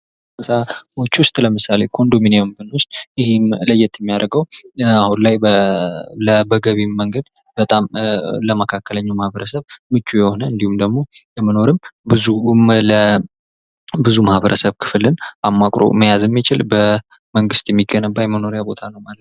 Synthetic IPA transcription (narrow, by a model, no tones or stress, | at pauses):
sʼaot͡ʃːwʊst̪ʼləmɨsale̞kʰo̞nd̪o̞mineombɨnwʊst̪ʼjɪhɪmləjːɛt̪ʰʼːjɛmːijaɾəɡəwahunlajb | ləbəɡəβimːəŋɡəd̪ | b̥ət̪ʼamləməkʰakːələɲːamahβəɾəsəβmɨt͡ʃʼːujɛho̞nəɨnd̪ihumd̪əɡmo̞lɛməno̞ɾɨmbɨzumlə | bɨzumahβəɾʔəsəβkʰɨ̥flɨnʔamːakʼɾo̞̰məjazjɛmːit͡ʃɪlbə | məŋɡɨst̪jɛmːiɡənəbːajɛməno̞ɾjabo̞t̪ʰanəwmalət̪